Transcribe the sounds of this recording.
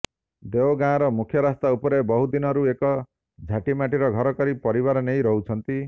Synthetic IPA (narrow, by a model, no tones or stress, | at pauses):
d̪eoɡãɔɾɔmukʰjɔɾast̪aupɔɾebɔɦud̪inɔɾuekɔ | d͡ʒʱaʈimaʈiɾɔɡʱɔɾɔkɔɾipɔɾiβaɾɔnejɾɔɦut͡ʃʰɔnt̪i